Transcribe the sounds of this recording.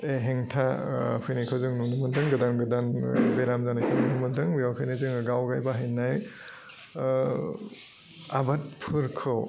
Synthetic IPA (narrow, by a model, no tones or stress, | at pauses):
eɦeŋtʰa | pʰɯjnikʰɯzɯŋnunɯmɯdɯŋɡɯdanɡɯdanbeɾamzanajkʰɯnunɯmɯdɯŋbijawkʰɯjnizɯŋɯɡawɡajbaɦɯjnːaj | abat̚pʰɯɾkʰɯw